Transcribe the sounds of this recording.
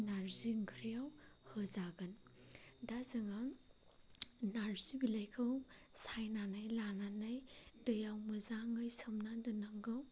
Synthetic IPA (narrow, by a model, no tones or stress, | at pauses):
naɾziŋkʰɾijaw | həzaɡɯn | dazɐŋa | naɾzibilajkʰɯwsajnanajlananajdəjawmɐzaŋɯjsəmnadɯnaŋɡɯw